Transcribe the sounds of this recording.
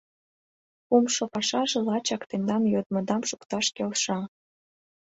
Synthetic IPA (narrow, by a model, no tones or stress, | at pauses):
umʃopɑʃɑʒĕlɑt͡ɕɑkt̪end̪ɑmjod̪mŏd̪ɑmʃukt̪ɑʃkelʃɑ